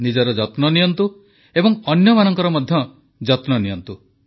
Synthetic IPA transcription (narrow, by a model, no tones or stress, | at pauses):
nid͡ʒɔɾɔd͡ʒɔt̪nɔnijɔnt̪u | ebɔŋɔnjɔmanɔŋkɔɾɔmɔd̪ʱjɔ | d͡ʒɔt̪nɔnijɔnt̪u